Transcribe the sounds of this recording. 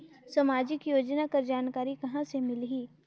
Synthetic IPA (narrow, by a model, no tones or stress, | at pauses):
samaːd͡ʒɪkjoːd͡ʒnakɐɾd͡ʒaːnkaːɾikɐɦãsemɪlɦiː